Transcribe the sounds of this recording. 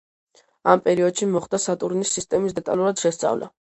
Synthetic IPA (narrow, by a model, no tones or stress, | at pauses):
ampʼɛɾiɔd̪̥ʃimɔχd̪asat̪ʼuɾnisːist̪ʼɛmisd̪ɛt̪ʼa̰luɾad̪̥ʃɛst̪sʼa̰vla̰